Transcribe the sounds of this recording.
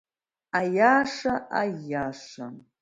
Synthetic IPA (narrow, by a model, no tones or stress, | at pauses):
ajaːʂaʔajaʂa̰